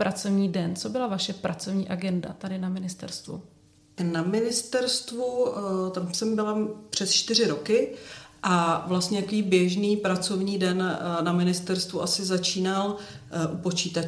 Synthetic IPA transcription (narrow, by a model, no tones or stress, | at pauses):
pɾʔat͡sovɲiːdɛnt͡sobɪlavaʃɛpɾʔat͡sovɲiːʔaɡɛnda̰t̪adɪnamɪnɪst̪ɛ̰ɾst̪vṵ | namɪnɪst̪ɛɾst̪vut̪amsɛmbɪlapr̝̥ɛst͡ʃt̪ɪr̝ɪɾo̞kɪʔavlast̪ɲɛt̪akoviːbjɛʒniːpɾat͡so̞vɲiːdɛnnamɪnɪst̪ɛɾst̪vuʔasɪzat͡ʃiːnal | ʔupo̞t͡ʃiːt̪a